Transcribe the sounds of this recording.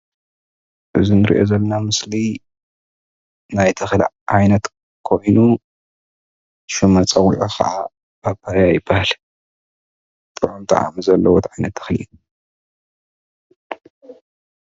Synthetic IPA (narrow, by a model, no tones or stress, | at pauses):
ʔɨzinɨɾḭʔo̞̰zɐlːɐnamɨsli | najt̪ʰɐxl̰ | ʕajnɐt̪ | kʰo̞jnu | ʃumɐt͡sʼɐɣʼiʕoxʰɐ̰ʔa | babʰaɾjajɪbːahal | t̪ʼɨʕomt̪ʰa̰ʕa̰mɨzɐlːɐwot̪ʰʕajnɐt̪ːʰɐ̥xlḭʔu